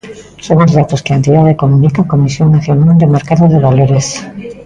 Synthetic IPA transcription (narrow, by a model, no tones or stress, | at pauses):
soŋozðat̪oskeaent̪iðaðekomunikakomisjoŋnaθjonald̪emeɾkaðoðeβaloɾes